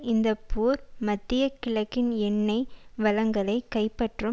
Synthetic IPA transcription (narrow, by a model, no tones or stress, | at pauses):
ɪnd̪ɐpːuːɾmɐt̪ːɪjɐkɪlɐkːɪnɛɳːɐɪʋɐlɐŋɡɐlɐɪkɐɪpːɐʈrɯ